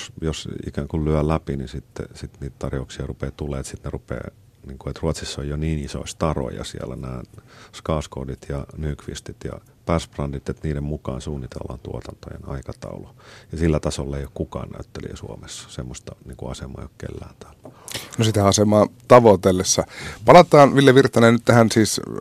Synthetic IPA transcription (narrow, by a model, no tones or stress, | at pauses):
sjosḭkæŋkullyælæpinisit̪ːḛsit̪niːt̪t̪ɑrjouksiɑrupeːt̪ulːˑeːt̪sit̪nerupḛː | niːŋkuet̪ruɑt̪sisːojjoniːniso̰ist̪ɑro̰jɑ̰sḭælænæːskɑːskoːdit̪jɑnyːkʋḭst̪it̪jɑ̰ | pærsprɑndit̪et̪niːdemmukɑ̰ːnsuːnːit̪ḛlːɑ̰nt̪uot̪ɑnt̪ojḛnɑikɑt̪ɑulujɑsilːæt̪ɑsolːɑeijokkukɑ̰ːnnæ̰yt̪ːelḭesuomesːɑ̥semːost̪ɑniːŋkuɑsemɑ̰ːjokkḛlːæːnt̪æ̥ːlnosit̪ææɑsemɑːt̪ɑʋot̪elːesːɑpɑlɑt̪ɑːnʋiljeʋirt̪ːˑɑnennyt̪t̪æhænsiːs